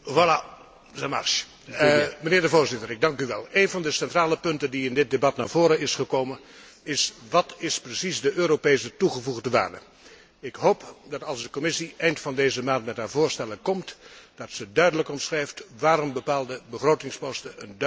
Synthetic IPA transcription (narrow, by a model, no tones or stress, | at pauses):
vala | zɛmɑ̰rʃ | mənɪːɹdəvoːɹzɪtərɪɡ̚dɑŋkyʋɛlˠejnvɑndəsɛntraːləpɵntəndiɪndɪt̚debɑtnaːɹv̥oːɾənɪsχəkowmən | ɪsʋɑtɪsprəsisdəʔøːɾopejsətuχəvuɣdəʋa̰ːɹdə | ɪkɦowpdɑtɑlˠzdəkomɪsiɛjntfɑndejzəmaːntmɛtɦaːɹvoːɹstɛlənkɔmtd̥ɑtsədœɥdələkɔmsχrɛjftʋaːɾɔmbəpaːlˠdəbəχrowtɪŋspɔstəənd